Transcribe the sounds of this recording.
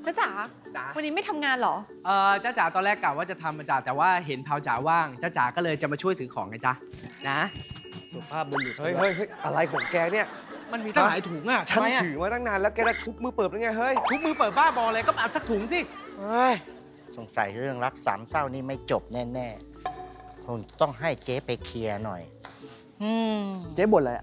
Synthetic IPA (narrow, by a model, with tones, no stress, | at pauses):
t͡ɕaː˦˥˩wt͡ɕaː˩˦ | t͡ɕa˩˦wa˧nːiː˦ma˥˩jt̪ʰa˧mŋaː˧nlɔː˩˦ | ʔɤː˧˨˩t͡ɕaː˧˩wt͡ɕaː˩˦t̪ɔː˧ɾlɛː˥˩kːla˨˩waː˥˩t͡ɕa˨˩t̪ʰa˧mʔa˧t͡ɕa˧˩t̪ɛː˨˩waː˥˩ɦe˩˦npʰaː˧wt͡ɕaː˩˦waː˥˩ŋt͡ɕaː˧˥˩t͡ɕa̰ː˩˦kɔː˥˩lɤː˧jt͡ɕa˨˩maː˧t͡ɕʰu˥˩əjt̪ʰɯː˩˦kʰɔː˩˦ŋʔa˧˩t͡ɕa˧˥na˦˥ | u˨˩pʰaː˥˩p̚bo˧njuː˨˩hɤ˥˩jɦɤ˦˥˩jɦɤ˦˥˩jʔa˧ɾa˧jkʰɔː˨˩˦ŋkɛː˧ni˥˩ɐ | ma˧nmiː˧t̪a˧˩ɦaː˨˩˦jt̪ʰuː˨˩˦ŋʔa˨˧˩t͡ɕʰa˦˥˧ja˧ɯː˨˩˦maː˧t̪ʰa˥˩ŋnaː˧nlɛ˦˥wkɛː˧daː˧˥˩t̪ʰu˦˥k̚mɯː˧pɤː˨˩n˧˥ŋaː˧˩jɦɤ˥˩jt̪ʰu˦˥k̚mɯː˧pɤː˨˩t̪̚baː˥˩bɔː˧laː˧kɔ˥˩t̪aː˨˩p̚sa˨˩k̚t̪ʰuː˩˦ŋsi˧˥˩hə˦˥j | so˨˩˦ŋsa̰˨˩˦jɾɯ˥˩əŋɾa˦˥k̚sa̰ː˩˦msa˥˩wniː˥˩ma˥˩jt͡ɕo˨˩p̚nɛː˥˩nɛː˥˩ | kʰo˧ŋt̪ɔ˥˩ŋɦa˥˩jt͡ɕeː˦˥pa˧jkʰi˧ɐnɔ̰˨˩j | ʔɯː˧t͡ɕeː˦˥bo˨˩la̰˨˩˦